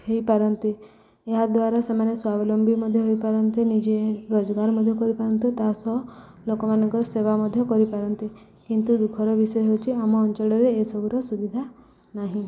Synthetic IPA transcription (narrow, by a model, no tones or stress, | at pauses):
hejpaɾɔnt̪e | eɦad̪waɾasemaneswabɔlɔmbʱimɔd̪ʱjɔɦojpaɾɔnt̪enid͡ʒeɾod͡ʒɔɡaɾmɔd̪ʱjɔkɔɾipaɾɔnt̪et̪asɔɦlokɔmanɔŋkɔɾɔseβamɔd̪ʱjɔkɔɾipaɾɔnt̪i | kint̪ud̪ukʰɔɾɔbisɔjɔɦot͡ʃʰiamɔːnt͡ʃɔɭɔɾeːsɔbʱuɾɔsubid̪ʱa | naɦĩ